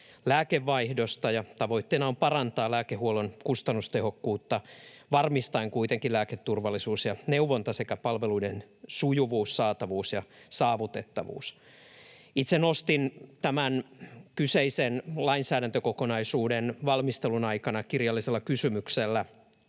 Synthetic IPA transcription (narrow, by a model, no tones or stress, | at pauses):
læːkeʋːɑihdost̪ɑjɑt̪ɑʋo̞it̪ːeːnɑompɑrɑnt̪ɑːlæːkeɦuolonkust̪ɑnːust̪eho̞kːuːt̪ːɑʋɑrmist̪ɑiŋkuit̪eŋkilæːket̪ːurʋɑlːˑisuːsjɑneuʋont̪ɑsekæpɑlʋeluidensujuʋuːssɑːt̪ɑʋuːsjɑsɑːʋut̪et̪ːɑʋṵːs | it̪senost̪int̪æmænkyseisenlɑinsæːɾænt̪økokonɑisuːdenʋɑlmist̪elunɑikɑnɑkirjɑlːiselːɑkysymykselːæ